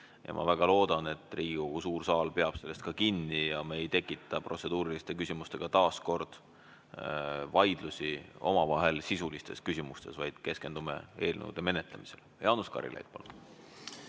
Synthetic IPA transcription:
jɑ̰mʔɑ̰væɡ̥ɑlo̞ːd̪̥ɑne̞t̪ːˑriːɡ̥uusuːrsɑːlpe̞ɑb̥se̞lest̪̚kɑkinːijɑmeejt̪e̞kːˑit̪ːˑɑpro̞t̪se̞d̪̥uːɾilist̪e̞kysʲimust̪e̞ɡ̥ɑt̪ɑːsko̞rd̪̥ | vɑjd̪̥lusio̞mɑvɑɦe̞lsisulist̪e̞skysʲimust̪e̞svɑjd̪̥ke̞ske̞nd̪̥umḛe̞ːlnḛwd̪̥eme̞ne̞t̪ˑlemise̞ljɑːnuskɑ̰ɾḭlḛjd̪̚pɑ̰lu

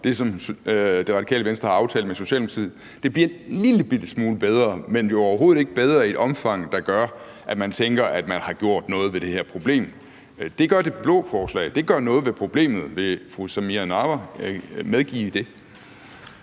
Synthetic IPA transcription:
d̥e̝sɒ̽md̥e̝ʁɑ̈d̥ikʰɛ̰ːləʋensd̥ɐhɑ̈ɑ̈ʊt͡sʰɛ̰ːld̥əmeso̝ɕɛ̰ːlmt͡sʰḭð̩ˠ | d̥e̝b̥liɐe̥liləb̥id̥əsmuːləb̥eð̞ˠʁɐːmenjo̝ɒʊɐɦo̝ːð̩ˠe̝ɡ̥əb̥eð̞ˠʁɐied̥ɒ̽mfɑ̈ŋ̰d̥ɑ̈ɡ̥ɶɐ | ʔæ̥mænt͡sʰeŋɡ̥ɐʔæd̥mænhɑ̈ɡ̥jo̝ɐ̰d̥nɔ̽ːð̞̩ˠʋe̝d̥e̝heɐpʰʁo̝b̥le̝̰ːm | d̥e̝ɡ̥ɶɐd̥e̝b̥lɔ̽ːfɒːslɛ̰ɪd̥e̝ɡ̥ɶɐnɔ̽ːð̞̩ˠʋe̝pʰʁo̝b̥le̝̰ːmð̩ˠʋe̝fʁusæmiænɑ̈ʋæmeð̞ˠɡ̥ḭːd̥e̝

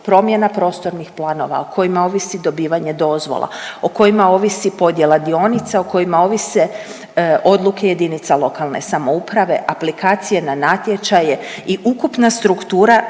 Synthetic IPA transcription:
pɾo̞mje̞napɾo̞st̪o̞ɾnixplˠaːno̞ʋa̰okʰo̞jimao̞ʋisid̪o̞biːʋaɲe̞d̪o̞zʋo̰lˠa̰oko̞imao̞ːʋisipo̞d̪je̞lˠad̪io̞nit̪saoko̞jimao̞ʋise | o̞d̪lukʰe̞je̞d̪init̪salˠo̞kalˠne̞̰samo̞upɾaʋe̞̰ʔaplikaːt̪sije̞nanat̪je̞t͡ʃajeiʔukupnast̪ɾukt̪uːɾa

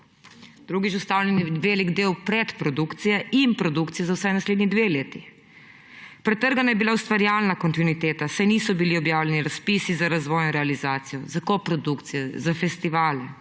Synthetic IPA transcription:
d̪̥ɾuːɡit͡ʃust̪awlʲɛnjɛʋeːliɡd̪eːwpɾɛt̪pɾɔd̪ukt̪sijɛinpɾɔd̪ukt̪ijɛzawsɛjnasled̪nid̪ʋeleːt̪i | pɾɛt̪ːəɾɡanajɛbilaust̪ʋaɾjaːlnakɔnt̪inuit̪eːt̪asajniːsɔbiliɔbjaːwlʲɛniɾaspisizaɾazʋɔːjnɔɾɛalizaːt̪sijɔzakɔpɾɔd̪ukt̪sijɛzafɛst̪iʋaːlɛ

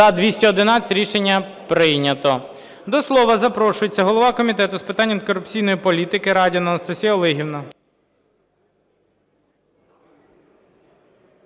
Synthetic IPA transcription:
ɐd̪ʋʲisʲtʲɐɔd̪ɪnɑɐ̥tʲɾʲiʃenʲːɐpɾɪjnʲɐt̪ɔ | d̪ɔslˠɔʋɐzɐpɾɔʃʊjet͡sʲːɐɦɔlˠɔʋɑkɔmʲit̪ɛt̪ʊspɪt̪ɑnʲːɐmkɔɾʊpt͡sʲijnɔjipɔlʲit̪ɪkɪɾɑdʲiɐnɐnɐst̪ɐsʲijɐɔlˠɪɦʲiwnɐ

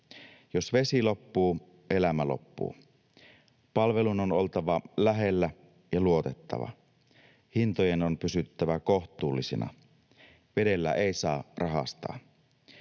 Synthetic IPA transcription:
josʋe̞silo̞pːuː | ʔe̞læmælo̰pːṵː | pɑlʋe̞lunono̞lt̪ɑʋɑlæɦelːæ | jɑluo̞t̪e̞t̪ːɑ̰ʋɑ̰ | hint̪ojenonpysyt̪ːæʋækoht̪uːlːisḭnɑ̰ | ʋe̞de̞lːæ̰ʔeisɑːrɑɦɑ̰st̪ɑ̰ː

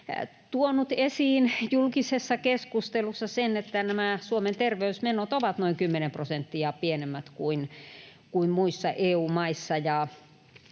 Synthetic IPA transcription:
t̪uonut̪esiːnjulkisesːɑkeskust̪elusːɑsenet̪ːænæmæsuoment̪erʋeysmenot̪oʋɑt̪noiŋkymːenemprosent̪ːiɑpienemːæt̪kuin | kuimmuisːɑʔeːuːmɑisːɑjɑ

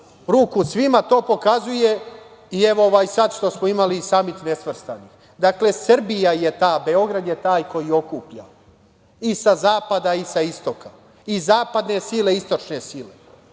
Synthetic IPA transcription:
ɾuːkusʋimat̪o̞ːpo̞kazuje̞ | ie̞ʋooʋajisad̪ʃt̪o̞smoimalisamit̪ne̞sʋr̩st̪anix | d̪akle̞sr̩bijajet̪aːbe̞o̞ɡɾad̪jet̪aːjko̞jio̞kuːpʎa̰ | isazaːpad̪aisaist̪o̞ka | izaːpad̪ne̞sile̞ist̪o̞t͡ʃne̞sile

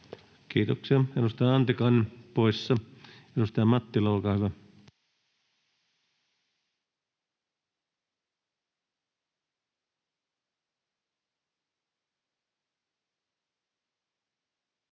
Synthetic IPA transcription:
kiːt̪oksiɑedust̪ɑjɑɑnt̪ikɑnːpoisːɑedust̪ɑjɑmɑt̪ːilɑolkɑːhyʋɑ

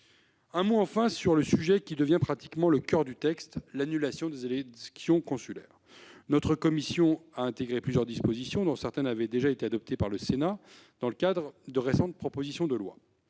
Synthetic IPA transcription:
ɛ̃moɑ̃fɛ̃syʁləsyʒɛkʲid̪əvjɛ̃pχat̪i̥kmɑ̃ləkʲœʁd̪yt̪ɛkst̪lanylasjɔ̃d̪ezelɛksjɔ̃kɔ̃sylɛ̰ːʁ | nɔt̪χəkɔmisjɔ̃aɛ̃t̪eɡʁeplyzjœʁd̪ispozisjɔ̃d̪ɔ̃sɛʁt̪ɛnavɛd̪eʒaet̪ead̪ɔp̚t̪epaʁləsena | d̪̥ɑ̃ləkad̪ʁəd̪əʁesɑ̃t̪̚pχɔpozisjɔ̃d̪əlwa̰

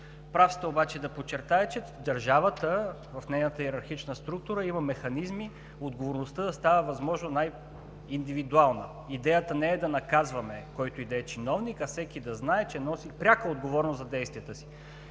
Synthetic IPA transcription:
pɾafsi̥t̪əobat͡ʃɛd̪ɐpot͡ʃːɛɾt̪aɛt͡ʃɛd̪ɐɾʒavət̪ə | vɐfnɛjnət̪əiɾɐɾxit͡ʃnəst̪ɾuk̚t̪ʊɾəimɐmɛxɐnizmi | od̪ɡovoɾnost̪əd̪ɐst̪avəvɐzmɔʒnonaj | ind̪ivid̪ualˠnə | id̪ɛjət̪ənɛɛd̪ɐnɐkazvɐmɛkɔjt̪oid̪ɐɛt͡ʃinɔvnikɐfsɛkid̪ɐznaɛt͡ʃɛnɔsipɾʲakəod̪ɡovɔɾnoszɐd̪ɛjst̪vijət̪əsi̥

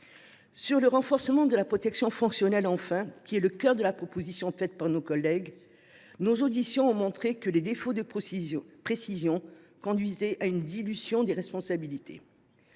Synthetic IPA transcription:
syʁləʁɑ̃fɔʁsəmɑ̃d̪əlapχɔt̪ɛksjɔ̃fɔ̃ŋksjɔnɛlɑ̃fɛ̃kʲiɛləkʲœʁd̪əlapχɔpozisjɔ̃fɛt̪paʁnokɔlːɛɡ | nozod̪isjɔ̃ɔ̃mɔ̃t̪χekəled̪efod̪ə | pχesizjɔ̃kɔ̃d̪ɥizɛʔaynd̪ilyzjɔ̃d̪eʁɛspɔ̃sabilit̪ḛ

